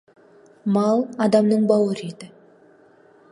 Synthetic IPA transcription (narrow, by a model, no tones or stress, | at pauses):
mɑlˠɑd̪ɑmnəɴbɑwəɾed̪ɪ